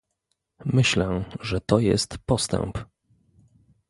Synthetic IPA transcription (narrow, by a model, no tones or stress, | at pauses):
mɘɕlɛʐɛt̪ɔjɛ̰st̪pɔst̪ɛ̰mp